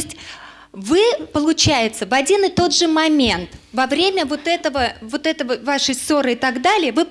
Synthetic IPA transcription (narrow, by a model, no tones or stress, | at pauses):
sʲtʲ | vɨpəlˠʊt͡ɕæjɪt̪səvɐdʲinɨt̪o̞d̪ʐɨmɐmʲe̞nt̪vɐvɾʲemʲəvo̞t̪ɛt̪əvəvo̞t̪ɛt̪əvəvaʂɨjso̞ɾɨɪt̪aɡd̪alʲɪjəvɨ